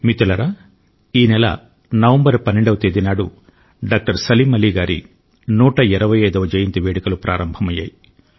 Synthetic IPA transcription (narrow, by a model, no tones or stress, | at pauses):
mit̪ulɐɾaː | iːnɛlɐ̰ | nɐʋɐmbɐɾpɐnːeɳɖɐʋɐt̪eːd̪inaːɽu | ɖaːk̚ʈɐɾsɐliːmɐliːɡaːɾḭ | nuːʈɐiɾɐʋɐjɐjd̪ɐʋɐd͡ʒɐjint̪iʋeːɽikɐlupɾʔa̰ːɾɐmbʱɐmɐjːa̰ːji